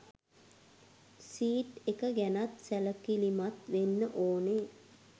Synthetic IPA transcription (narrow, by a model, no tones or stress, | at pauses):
siːʈekəɡænat̪sæləkilimat̪ʋenːəʔoːne